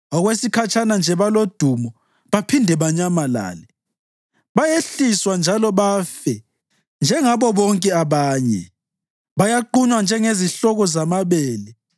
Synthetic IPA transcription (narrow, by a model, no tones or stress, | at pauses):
ɔɣwesikʰat͡ʃʼanand͡ʒʱɛβalod̥ʱumɔ | βapʰindʱɛβaɲamala̰ːlɛ | βajeɬiswand͡ʒʱalɔβafɛ | nd͡ʒʱɛŋaβɔβɔŋkʼɛaβaːɲɛ̰ | βajaǃuɲwand͡ʒʱɛŋeziɬɔɣɔzamaβeːli